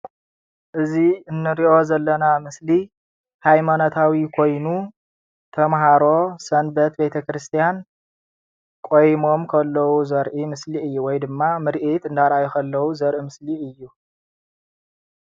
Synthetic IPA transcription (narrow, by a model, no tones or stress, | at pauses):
ʔɨziɨnːɨɾiʔo̞zɐlːɐnamɨsli | hajmanot̪ʰawikʰo̞jnu | t̪ʰɐmɦaɾo̞sɐnbɐt̪be̞t̪ʰɐkɾɨst̪ʰijan | kʼo̞jmo̞mkʰɐlːɐwuzɐɾʔimɨsliɨjːuwɔjd̪ɨmːamɨɾʔit̪ɨnd̪aɾʔajukɐlːɐwuzɐɾʔimɨsliɨjːu